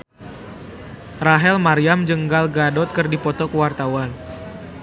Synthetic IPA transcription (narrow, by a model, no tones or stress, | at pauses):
raɦɛlmaɾiamd͡ʒəŋɡalɡadɔt̪̚kərdipɔt̪ɔkəwart̪awan